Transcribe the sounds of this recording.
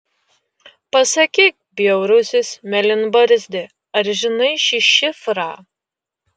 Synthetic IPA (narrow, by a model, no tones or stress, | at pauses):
pɐsɐkʲiːk̚bʲjɛʊɾʊsʲɪsmʲɛlʲɪnbɐɾʲzʲd̪ʲɪ | ɐɾʒʲɪnɐɪʃʲɪʃʲɪfɾɑː